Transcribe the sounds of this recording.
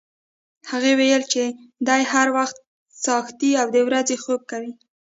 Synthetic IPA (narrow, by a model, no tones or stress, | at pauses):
haɣewejəlt͡ʃed̪ɑjhaɾwaxt̪̚ | sɑxt̪iawd̪əwɾazexob̚kawi